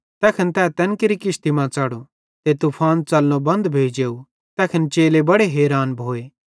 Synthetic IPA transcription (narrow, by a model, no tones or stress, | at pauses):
t̪ɛːkʰənt̪ɛːt̪ɛnkɪɾikɪst̪imãt͡saːɽu | t̪et̪upʰaːnt͡sɐlːõbɐ̃nd̪bʱeːd͡ʒeːu | t̪ɛːkʰənt͡ʃeːlebɐɽeɦeːɾaːnbʱoːeː